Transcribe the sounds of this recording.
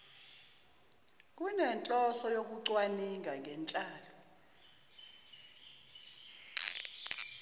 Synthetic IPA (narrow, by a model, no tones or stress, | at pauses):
k̬ʼunɛnt͡ɬʼɔsɔjok̬uǀwaniŋɡʱaŋʱɛnt͡ɬʼaːlɔ